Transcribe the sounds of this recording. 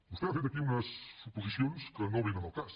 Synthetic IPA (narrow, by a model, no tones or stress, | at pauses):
bust̪ɛafet̪ɐkiunəsupuzisjonskənõminɐnawkas